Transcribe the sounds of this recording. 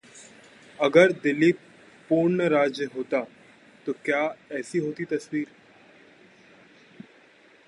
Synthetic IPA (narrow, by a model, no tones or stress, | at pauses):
ɐɡəɾd̪ɪli | pːuːɾnəɾaːd͡ʒjəɦoːt̪a | t̪okjaːɛːsiɦoːt̪it̪ɐswiːɾ